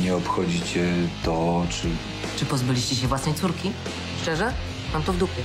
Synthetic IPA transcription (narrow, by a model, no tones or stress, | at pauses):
ɲɛɔpxɔd͡ʑit͡ɕɛt̪ɔt͡ʂɘ | t͡ʂɘpɔzbɘlʲiɕt͡ɕɛɕ̬ɛvwasnɛjt̪suɾkʲi | ʂt͡ʂɛʐɛ | mamt̪ɔvd̪upʲɛ